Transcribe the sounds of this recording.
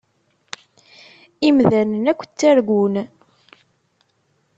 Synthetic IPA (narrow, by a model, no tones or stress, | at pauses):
imðænənækʷːə̥t͡sːæɾɡʷun